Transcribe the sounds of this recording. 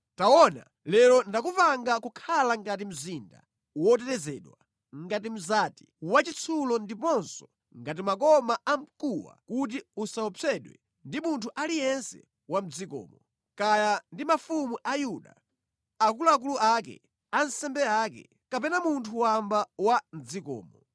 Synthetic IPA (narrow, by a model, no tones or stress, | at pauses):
tawɔna̰ | lɛɾɔndakufaŋɡakukʰalaŋɡatim̩zinda̰ | wɔt̬ɛɾɛzɛɗwa | ŋɡat̬im̩zati̥wat͡ʃit͡sʰulɔndipɔnsɔ̥ | ŋɡat̬imakɔmaam̩kuwa̰kut̬iusaɔpɛɗwɛ̰ | ndimuntʰuʔalijɛnsɛ̰ | wam̩d͡zikɔ̰ːmɔ | kajandimafumuʔajuɗa̰ | akuluak̬uluʔakɛ̰ | ansɛmbɛaːkɛ̰ | kapɛnamuntʰuwambawam̩d͡zikɔ̰ːmɔ